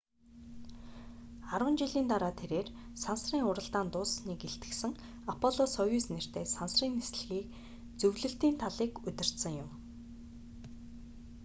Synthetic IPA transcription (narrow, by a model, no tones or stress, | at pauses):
aɾwə̆nt͡ɕiɮiːnt̪aɾaːt̪ʰeɾeːr | sansriːŋʊɾə̆ɮt̪aːnt̪ʊːsniːkeɬt̪ɡɘ̆ksɘ̆ŋ | apʰɔɮɔsɔjuːsner̥t̪eːsansriːnesɮɘ̆ɣiːk | t͡sɵwɮɵ̆ɬt̪iːnt̪ʰaɮiːkɵt̪ɪ̆r̥t̪sɘ̆ŋjʊm